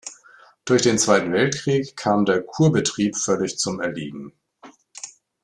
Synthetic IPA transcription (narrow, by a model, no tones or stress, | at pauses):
d̥ʊɐçd̥eːnt͡sv̥aɪtn̩vɛltkʁ̥iːkʰːaːmdeːɐkʰuːɐbətʁ̥iːpfœlɪçt͡sʊmɛɐlḭːɡŋ̩